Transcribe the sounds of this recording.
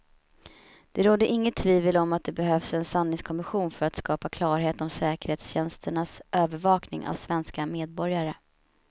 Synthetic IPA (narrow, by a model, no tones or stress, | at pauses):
d̪̥ɛɾoːd̪əʔɪŋːət̪ʰːviːvəlɔmat̪̚d̪ɛbɛɦœvsɛnsanːɪŋskʰɔmɪɧuːnfœɾat̪skɑːpakʰlɑːɾɦeːt̪ɔmsɛːkəɾheːt̪sɕɛnst̪ʰəɳasʔøːvəɾvɑːknɪ̰ŋʔa̰vsvɛnskameːd̪̚bɔɾjaɾə